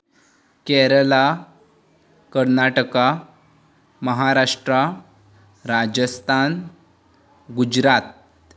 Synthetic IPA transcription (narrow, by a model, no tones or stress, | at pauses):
kɛɾəla | kəɾnaʈəka | məɦaɾaʂʈɾa | ɾad͡ʑəst̪ʰan | ɡud͡ʑɾat̪̚